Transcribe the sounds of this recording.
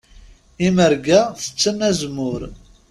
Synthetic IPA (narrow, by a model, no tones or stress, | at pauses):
iməɾɡæθə̥t͡sːənːæzmʊɾ